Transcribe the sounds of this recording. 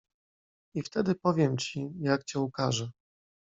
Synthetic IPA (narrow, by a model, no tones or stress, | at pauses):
ift̪ɛd̪ɘpɔvʲjɛmt͡ɕijakt͡ɕɛukaʐɛ